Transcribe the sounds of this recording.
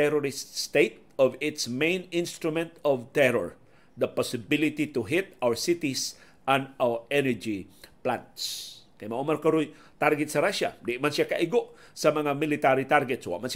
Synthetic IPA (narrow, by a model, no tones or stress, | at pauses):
ɛɾɔɾɪst̪st̪et̪̚ɔvɪt̪smẽjnɪ̃nst̪ɾʊmɛ̃nt̪ɔvt̪ɛɾɔ̰ɹ | d̪ɐpɔsɪbɪlɪt̪it̪ʊɦɪt̪awəɹsɪt̪is | ʔãnawʔɛnɛɹd͡ʒipla̰nt̪skajmaʔʊmaɾkɐɾʊj | t̪aɾɡɛt̪sɐɾaʃa̰d̪iʔmansiaka̰ʔɪɡoʔ | sɐmɐŋamɪlɪt̪aɾit̪aɾɡɛt̪swa̰ʔmans